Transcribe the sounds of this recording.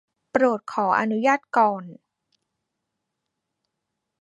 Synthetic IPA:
pɾoː˨˩t̪̚kʰɔː˩˦ʔa̰˧nu˦˥jaː˥˩t̪̚kɔː˨˩n

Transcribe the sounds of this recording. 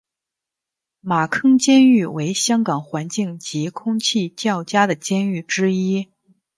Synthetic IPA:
ma˨˩kʰɤ˥ŋt͡ɕjɛ˥ny˥˩we˧˥ɪɕjɑ˥ŋkɑ˨˩ŋxwa˧˥nt͡ɕi˥˩ŋt͡ɕi˧˥kʰʊ˥ŋt͡ɕʰi˥˧t͡ɕjɑ˥˩ʊt͡ɕja˥d̪ə˨t͡ɕjɛ˥ny˥˩ʈ͡ʂɻ̩˥i˥

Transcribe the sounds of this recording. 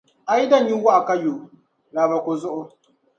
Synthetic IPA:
ʔa˨ji˦da˦˨ɲji˦wa˦ʔa˨ka˦jo˨ | la˨ba˨kʷo˨zʊ˦ʔo˦

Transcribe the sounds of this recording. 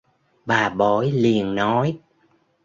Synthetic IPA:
ɓaː˨˩ɓo˧˩˦jli˨˩ənnɔ˨˦j

